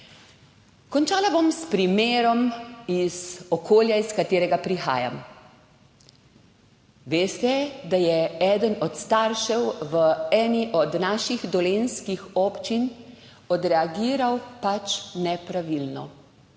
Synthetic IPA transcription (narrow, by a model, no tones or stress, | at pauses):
kɔnt͡ʃaːlabomspɾimeːɾɔmizɔkʰoːljaiskat̪eːɾɛɡapɾixa̰ːja̰m | ʋeːst̪ɛd̪ajɛɛd̪ənɔt̪st̪aɾʃɛwʋəɛːniʔɔd̪naːʃiɣd̪ɔlenskixɔpt͡ʃin | ɔd̪ɾɛaɡiːɾawpat͡ʃnɛpɾaʋilnɔ